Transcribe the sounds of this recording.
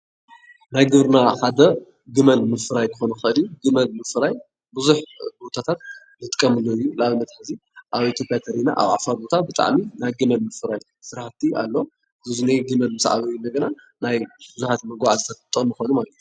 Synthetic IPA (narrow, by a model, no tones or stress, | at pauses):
najɡɨβɾɨnaxad̪ɐ | ɡɨmɐnmɨfɨɾajkʰɨxonuxɨʔɨliɡɨmɐnmɨfɨɾaj | bɨzuħbot̪ʰat̪ʰat̪̚ | nɨt̪ʼɨkʼːɐmɨlojːulaβɨnːɐt̪ħaziʔaβit̪ʰjopʼjat̪ʰɐɾina̰ʔa̰βʕa̰faɾbot̪ʰabɨt̪ʼa̰ʕminajɡɨmɐnmɨfɨɾaj | sɨɾħt̪ʰiʔa̰lːo | zɨzɨneɡɨmɐnmɨsʕa̰βɐjunɐɡɐna | najbɨzuħat̪mɐɡaʕazɨt̪ʰɐfɐt̪ʼːɨɣmjɨxonumalɐt̪ʰju